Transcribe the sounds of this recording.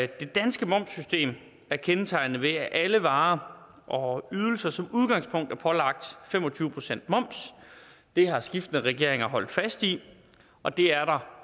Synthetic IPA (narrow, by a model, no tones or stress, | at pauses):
d̥e̝d̥ænsɡ̥əmɒ̽m̰sːysd̥e̝̰ːm | æɐkʰenət͡sʰɑ̈ɪnð̩ʋe̝æʔæləʋɑ̈ː | ʔɒ̽yð̞ˠl̩sɐsɒ̽muð̞ˠɡ̥ɑ̈ŋspʰɔ̽ŋ̰d̥æɐpʰɒ̽lɑ̈ɡ̥̚d̥fem̰ɒ̽t͡sʰyːʊpʰʁo̝sen̰d̥mɒ̽m̰sd̥e̝hɑ̈sɡ̥ifd̥ənəʁɛɡ̥e̝ɐeŋɐɦɒ̽l̰d̥fæsd̥i | ʔɒ̽d̥e̝æɐɾɑ̈